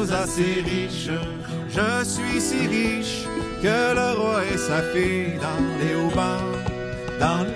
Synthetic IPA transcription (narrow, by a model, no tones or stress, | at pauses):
zaseʁiʃ | ʒəsɥisiʁiʃ | kələʁwaɛsafed̪ɑ̃leobã | d̪ɑ̃